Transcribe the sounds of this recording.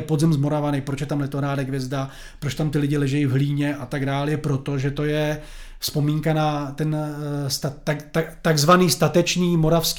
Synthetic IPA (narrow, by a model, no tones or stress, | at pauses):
pod̪zɪmzmo̞ɾavanɛpɾo̞t͡ʃjɛt̪amlɛt̪oɾaːdɛɡvjɛzda | pɾot͡ʃt̪amt̪ɪlɪɟɪlɛʒɛjivɦliːɲɛʔat̪aɡdaːljɛpɾo̞t̪oʒɛt̪o̞jɛ | spo̞miːŋkanat̪ɛnst̪aaat̪aɡzvaniːst̪at̪ɛt͡ʃniːmo̞ɾafsk